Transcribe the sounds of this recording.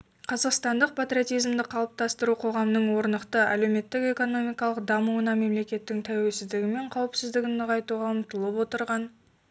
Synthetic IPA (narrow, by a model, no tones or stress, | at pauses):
qʰɑzɑqst̪ɑnd̪əq̚pʰat̪rʲiot̪ijzmd̪ɪqʰɑlˠəp̚t̪ɑst̪əɾuqʰo̞ʁɑmnəɴwo̞ɾnəqt̪əæ̰lewme̞t̪ːɪke̞ko̞no̞mijkɑlˠəqd̪ɑmuənɑme̞mle̞kʲe̞t̪ːɪŋt̪ʰæwe̞lsɪzd̪ɪɡʲɪme̞ɴqʰɑwɪpsɪzd̪ɪɡʲɪnəʁɑjt̪uʁɑəmt̪əlˠəpwo̞t̪əɾʁɑn